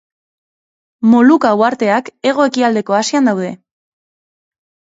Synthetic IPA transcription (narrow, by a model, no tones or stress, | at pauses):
mo̞lukauaɾt̪e̞ake̞ɣ̞o̞e̞kiald̪e̞ko̞asiand̪awðe̞